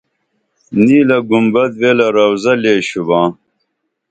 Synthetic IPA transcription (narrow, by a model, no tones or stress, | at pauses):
niːlɐɡumbɐd̪weːlɐɾɐwzɐleːɕubãː